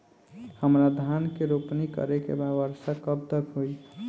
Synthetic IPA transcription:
həmɾad̪ʱankeɾopnikə̰ɾekḛbad̪ʋəɾsakəbd̪əkɦoi

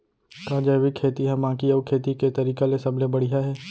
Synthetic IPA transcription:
kaːd͡ʒajʋɪkʰːeːt̪iɦɛ̃mãːkiɐːkʰeːt̪iket̪ɐɾiːkalesɐblebɐɽ̤iɦaɦɛː

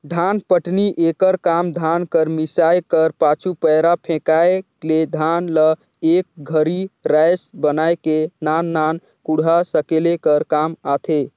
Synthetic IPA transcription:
d̪ʱanpəʈniʔekəɾkamd̪ʱankəɾmisajkəɾpat͡ʃʰupəjɾapʰẽkae | led̪ʱanlə | ek̚ɡʱəɾiɾajsbənajkenanːan | kuɽ̤asəkelekəɾkamat̪ʰe

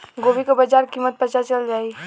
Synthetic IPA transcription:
ɡoːbikobəd͡ʒaːɾkimət̪̚pət͡ʃat͡ʃəld͡ʒaːi

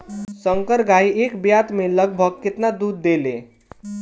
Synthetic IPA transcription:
səŋkəɾɡaiekbjat̪meləɡ̚bʱəɡ̚kɪt̪nad̪ud̪ːelḛ

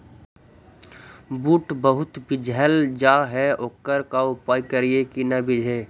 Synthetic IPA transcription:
buːʈbəɦʊt̪bɪd͡ʒʱəld͡ʒaːɦɛoːkːəɾkaʊpaːjkəɾiekinɐbɪd͡ʒʱə

